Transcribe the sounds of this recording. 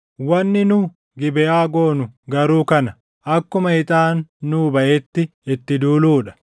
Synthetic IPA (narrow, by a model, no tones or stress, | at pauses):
wɐnːɪnʊː | ɡɪbɛʔaːɡoːnʊɡɐɾuːkɐnɐ | ʔɐkːʊmɐhɪt̪ʼaːnːuːbɐʔeːt̪ːɪɪt̪ːɪd̪uːluːᶑɐ̥